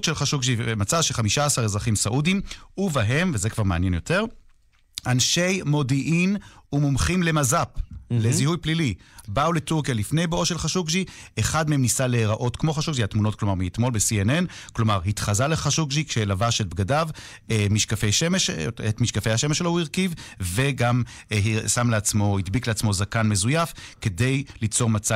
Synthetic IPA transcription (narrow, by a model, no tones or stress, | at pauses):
tʃelχaʃukʒimat͡saʃeχamiʃaːsaʁezʁaχimsaʔudimuvaɦe̞mvezekv̥aʁmeanjenjo̞te̞ʁ | anʃejmo̞diʔinumumχimle̞mazaplezihujplilibauletuʁkjalifne̞jbeo̞ʃelχaʃukʒiʔeχad̪meemnisaleʁaʔo̞tkmo̞χaʃuɡʒiatmunot̚klo̞maʁmiit̪mo̞lbesiene̞n | klo̞maʁɦit̪χazaleχaʃuɡʒikʃelavaʃet̪̚bɡadav | emiʃkafejʃemeʃetmiʃkafejhaʃemeʃːelohuiʁkivve̞ɡam | samleat͡smo̞hid̪bikleat͡smo̞zakanme̞zujafke̞de̞jlit͡so̞ʁmat͡sa